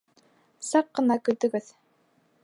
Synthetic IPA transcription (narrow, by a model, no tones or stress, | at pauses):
sɑqːɤ̆nɑkɵ̆ɾt̪ɵ̆ɡɘð